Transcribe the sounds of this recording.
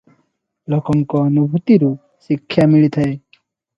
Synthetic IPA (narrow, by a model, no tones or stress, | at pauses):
lɔkɔŋkɔːnubʱut̪iɾu | sikʰːjamiɭit̪ʰae